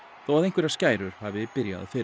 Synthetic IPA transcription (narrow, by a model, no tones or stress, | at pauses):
θowaðejhŋkvʏɾḁscaːjɾʏɾ̥havɪpɪɾja̰ðfɪ